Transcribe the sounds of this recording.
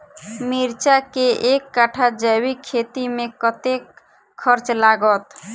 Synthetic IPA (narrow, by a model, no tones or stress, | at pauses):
miɾt͡ʃakeʔekːaʈʰad͡ʒəwikʰet̪imẽkət̪ekʰː | əɾt͡ʃlaɡət̪